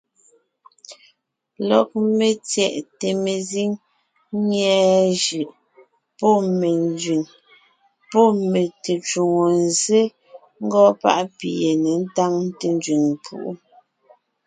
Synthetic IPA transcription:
lɔ˨k̚me˨t͡sjɛ˨ʔte˨me˨zi˦ŋ | ɲɛː˦ʒɯ˨ʔ | pɔ˦˨me˨n˦d͡ʒɥi˨ŋ | pɔ˦˨me˨te˨t͡ʃu˨ŋo˨n˨ze˦ | ŋ̩˦ɡɔ˦pa̰˦ʔpi˨e˨ne˨n̩˦ta˦ŋte˨n˦d͡ʒɥi˨ŋ˨pʰṵ˦˨ʔu˦

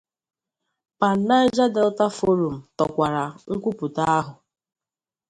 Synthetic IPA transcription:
pa˨n̩˦na˦ɪ˦d͡ʒa˦de˨lʊ˦ta˦fo˦ɾu˨m̩˨tɔ˨kʷa˨ɾa˨ŋ̩˦kʷu˦pu˨ta˦a˦ɦʊ˨

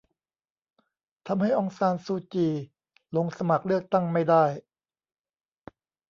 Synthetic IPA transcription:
t̪ʰa˧mha˥˩jʔɔː˧ŋsaː˧nsuː˧t͡ɕiː˧ | lo˧ŋsa˧ma˨˩k̚lɯ˥˩ək̚t̪a˥˩ŋma˥˩jda˥˩j

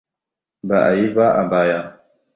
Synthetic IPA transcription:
ba˨ʔa˨ji˦ba˦ʔa˨baː˦ja˦

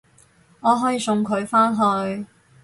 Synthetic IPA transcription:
ŋɔː˨˧ɦɔː˨˥jiː˨˧sʊ˨˧ŋkʰɵ˨˧ɥfaː˥nɦɵ˧ɥ

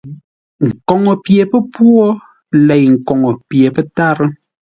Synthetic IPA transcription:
ŋ̩˨kɔ˨ŋɔ˨pje˨pə˦pwɔ˦ | lɛ˨jŋ̩˨kɔ˨ŋɔ˨pje˨pɛ˦ta˦ɾə˦

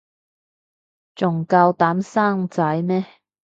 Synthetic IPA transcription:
t͡sʊ˨ŋka˧wt̪aː˨˥msaː˥ŋt͡sɐ˨˥jmɛː˥

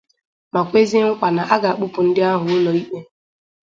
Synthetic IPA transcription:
ma˨kʷe˦zɪ˦ŋ̩˦k͡pʷa˨na˨ʔa˦ɡa˨a˨k͡pʊ˦pʊ˨n̩˦dɪ˦a˦ɦʊ˨ʊ˦lɔ˨i˦k͡pe˦

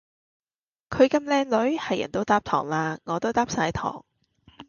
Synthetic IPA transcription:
kʰɵ˨˧ɥkɐ˧mlɛː˧ŋlɵ˨˥ɥhɐ˨jɐ̰˨˩nt̪o˧wt̪aː˥p̚t̪ʰɔ̰ː˨˩ŋlaː˧ŋɔː˨˧t̪o˥wt̪aː˥p̚saː˨˥jt̪ʰɔ̰ː˨˩ŋ

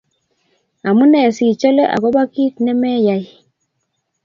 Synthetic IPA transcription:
a˨mu˦nɛ˨si˨t͡ʃɔ˦lɛ˦ʔa̰˨kɔ˦ba˦ki˦tnɛ˦mɛ˦ja˨i˨

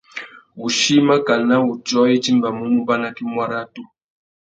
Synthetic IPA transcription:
u˨ʃi˦ma˦ka˨na˦u˨t͡ʃɔ˦i˦t͡ʃi˦mba˨mu˦mu˦ba˦na˦ki˦mwa˦ɾa˦tu˦

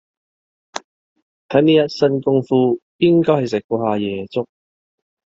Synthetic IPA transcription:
t̪ʰɐ˨˥niː˥jɐ˥t̚sɐ˧nkʊ˥ŋfuː˧jɪ˥ŋkɔː˥jhɐ˨jsɪ˨kʷɔː˧ɦaː˨˧jɛː˨t͡sʊ˥k̚

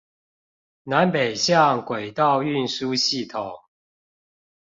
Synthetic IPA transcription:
na˨˦npe˨˩ɪɕjɑ˥˨ŋkwe˨˩ɪt̪ɑ˥˨ʊy˥˨nsu˦ɕi˥˨t̪ʰo˨˩˦ŋ

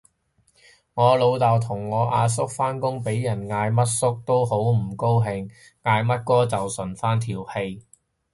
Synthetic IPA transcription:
ŋɔː˨˧lo˨˧wt̪aː˨wt̪ʰʊ˨˩ŋːɔː˨˧ʔaː˧s̬ʊ˥k̚faː˥nkʊ˥ŋpe˨˥jjɐ˨˩nŋaː˧jmɐ˥t̚sʊ˥k̚t̪o˥wɦo˨˥wm̩˨˩ko˥wɦɪ˧ŋ | ŋaː˧jmɐ˥t̚kɔː˥t͡sɐ˨wsɵ˨˩nfaː˥nt̪ʰiː˨˩whe˧j

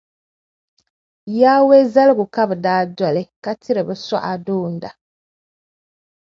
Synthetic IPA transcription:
jaː˦we˦za˦lɡʊ˨ka˦bɨ˨daː˦dɔ˨lɨ˦ka˦tʰɪ˦ɾɨ˨bɨ˨sa̰˦ʔa˨doː˦n̩˦da˨

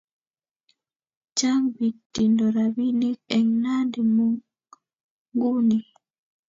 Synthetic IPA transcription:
t͡ʃa˦ŋbi˨tːi˨ndɔ˨ɾa˨bi˦ni˦kɛ˨ŋna˦ndi˨mu | ŋɡu˦ni˨

